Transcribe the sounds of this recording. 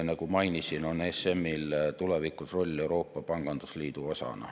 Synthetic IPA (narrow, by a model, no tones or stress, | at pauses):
nɑɡ̥umɑjnisino̞ne̞se̞mːilt̪ule̞vikˑusro̞lʲːe̞uwɾo̞ːpːɑpɑŋɡ̥ɑnd̪̥usliːd̪̥uo̞sɑ̰nɑ̰